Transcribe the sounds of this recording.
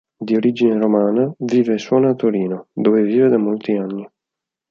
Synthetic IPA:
d̪ioɾid͡ʒineɾomaːnaviːveswɔːnaːt̪ːoɾiːnod̪oːveviːved̪amolt̪ianːi

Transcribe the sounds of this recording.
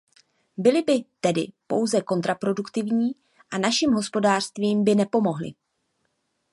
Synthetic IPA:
bɪlɪbɪt̪ɛdɪ̰po̞̰wzɛko̞nt̪ɾapɾo̞dukt̪ɪvɲiː | ʔanaʃɪmɦo̞spo̞daːr̥st̪viːmbɪnɛpo̞mo̞ɦlɪ̰

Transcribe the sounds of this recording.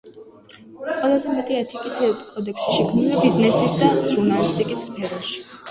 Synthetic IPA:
qʼwɛlˠazɛmɛt̪ʼiɛt̪ʰikʼisɛkʼɔd̪ɛkʰsi̥ʃikʰmnilibiznɛsisd̪aʒuɾnalist̪ʼikʼisːpʰɛɾɔʃi̥

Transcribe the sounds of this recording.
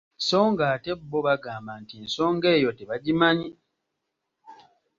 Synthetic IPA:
so̞ːŋɡaːte̞bːoβaɡaːmbantinso̞ːŋɡe̞ːjo̞teβaɟimaɲi

